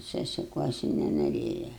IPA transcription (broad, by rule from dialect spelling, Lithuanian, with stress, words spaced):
sʲɛsʲɪˈkuɔsʲɪ nʲɛnoːˈrʲeːjɛ